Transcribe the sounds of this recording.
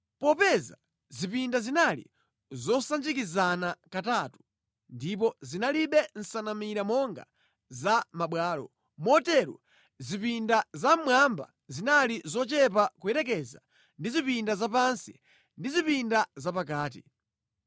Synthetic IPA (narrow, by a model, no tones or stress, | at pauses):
pɔpɛza | zipindazinalḭ | zɔsand͡ʒikizanakatatu̥ | ndip̬ɔzinaliɓɛn̩sanamiɾamɔŋɡa̰ | zamaɓwaːlɔ̰ | mɔtɛɾṵ | zipindazamwamba̰ | zinalizɔt͡ʃɛpakuɛɾɛk̬ɛza̰ | ndizipindazapansi | ndizipindazapakaːt̬ḭ